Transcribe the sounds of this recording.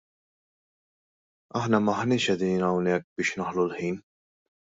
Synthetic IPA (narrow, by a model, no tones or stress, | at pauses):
ɐħnɐmɐħnɪːʃɛd̪iːnɐwnɛk̚ːbɪːʃnɐħlulħiːn